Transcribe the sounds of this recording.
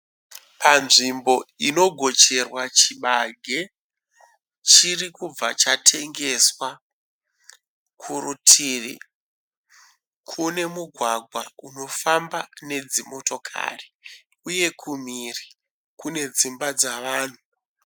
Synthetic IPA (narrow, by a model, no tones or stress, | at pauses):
panʐimbo̞ino̞ɡʱo̞t͡ʃe̞rwat͡ʃiɓaɡʱe | t͡ʃirikub͡vat͡ʃatʰe̞ŋɡe̞swa | kʰurutʰirḭ | kʰune̞muɡʱwaɡʱwauno̞fambane̞d͡zimo̞to̞kʰa̰ri | uje̞kʰumiri | kune̞d͡zimbad͡zaʋaːn̤u